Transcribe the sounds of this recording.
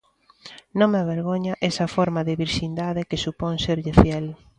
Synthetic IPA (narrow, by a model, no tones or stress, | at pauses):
nõŋmeaβeɾɣoɲɐʔɛsɐfɔɾmɐðɪβiɾʃind̪aðɪkesupoŋseɾʎɪfjɛl